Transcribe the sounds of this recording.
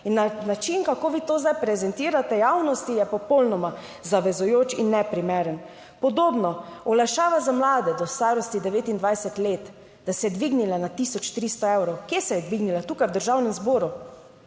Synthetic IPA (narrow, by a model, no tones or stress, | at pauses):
inːanat͡ʃinkakoːʋiːt̪oːzd̪ajpɾɛzɛnt̪iːɾat̪ɛjawnɔst̪ijɛpɔpɔlnɔma | zaʋɛzujoːt͡ʃinːɛpɾimeːɾən | pɔd̪oːbnɔɔlaʃaːʋazamlaːd̪ɛd̪ɔst̪aːɾɔst̪id̪ɛʋeːt̪ind̪ʋajsɛt̪leːt̪ | d̪̥asɛjɛd̪ʋiɡnilanat̪isɔt͡ʃt̪ɾist̪ɔɛwɾɔwkjesɛjɛd̪ʋiɡnilat̪uːkajwd̪əɾʒaːwnɛmzboːɾu